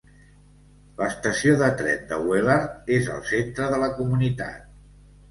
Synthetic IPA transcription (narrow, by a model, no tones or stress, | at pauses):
ləst̪əsioðət̪ɾɛ̰t̪̚d̪ə̰weləezə̰lˠsent̪ɾəðələkumunit̪a̰t̪̚